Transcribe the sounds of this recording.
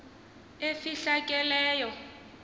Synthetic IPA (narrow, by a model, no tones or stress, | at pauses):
efiɬakʼɛlɛːjɔ